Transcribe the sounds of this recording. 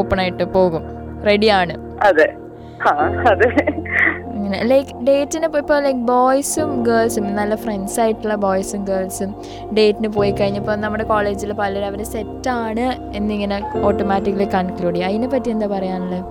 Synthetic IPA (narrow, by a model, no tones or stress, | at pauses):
oːpːɐɳaːjiʈːɨpo̞ːɣum | re̞ɽijaːɳɨ | ɐðɨ | haːɐðɨ | iŋːɐnelɐjkɖe̞ːtːinɨpoːipːoːlɐjk̚boːjsumɡɐːlsumenːɐlːɐfreɳsaːjiʈːuɭːɐboːjsumɡeːlsum | ɖe̞ːtːinɨp̬o̞ːjikːɐɻiɲːɐpːoːnɐmːuɽe̞koːle̞ːd͡ʑilpɐlɐɾɐʋɐɾesetːaːɳɨ | enːiŋːɐneo̞ːʈːomaːtːikːɐlekːɐnkluːɽijɐðinepːɐtːiend̪aːpɐrɐjaːɳɐlːe